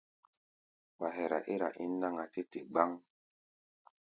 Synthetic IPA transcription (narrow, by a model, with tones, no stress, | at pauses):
wa˨ɦe˨ɾa̰˨ʔi˦ɾa̰˨ʔi˦nː˦a˦ŋa˨te˦te˨ɡ͡ba˦ŋ